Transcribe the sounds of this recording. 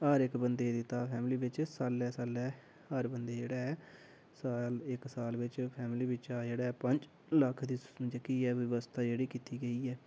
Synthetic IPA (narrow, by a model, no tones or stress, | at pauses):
aːɾɪkbənd̪eːd̪ɪt̪ːaːpʰɛːmliːbɪt͡ʃsaːlɛːsaːlɛː | əɾbənd̪eːd͡ʒeːɽaːɛː | saːlɪksaːlʋɪt͡ʃpʰɛːmliːbɪt͡ʃaːd͡ʒeːɽaːpəɲd͡ʒ | ləkʰd̪iːd͡ʒəkiːɛːʋɪʋəst̪ʰaːd͡ʒeːɽiːkiːt̪iːɡəiːɛː